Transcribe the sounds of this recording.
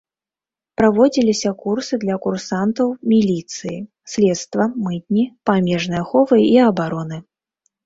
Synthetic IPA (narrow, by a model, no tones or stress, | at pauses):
pɾavɔd͡zʲilʲisʲɐkursɨd̪lʲɐkursant̪ɐwmʲilʲit̪sɨji | sʲlʲɛt̪st̪vɐmɨt̪̚ʲnʲipamʲɛʐnɨjɐxɔvɨiɐbaɾɔnɨ